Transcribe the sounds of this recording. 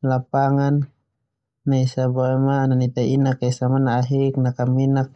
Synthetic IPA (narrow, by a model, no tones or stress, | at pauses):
lapaŋanː | aisaboamaːnanit̪ainakaisamanaːɦik̚nakaminak̚